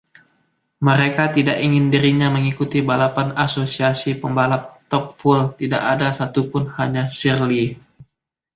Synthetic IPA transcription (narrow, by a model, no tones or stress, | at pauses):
məɾekat̪idakiŋɪndiɾiɲaməŋikut̪ibalapanasosiasipəmbalap̚t̪ɔp̚fult̪ida̰ʔadasat̪upʊnhaɲasirli